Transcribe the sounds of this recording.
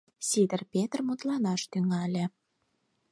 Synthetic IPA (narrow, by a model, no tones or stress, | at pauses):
sʲid̪ərpʲet̪rmut̪lɑnɑʃt̪yŋælʲĕ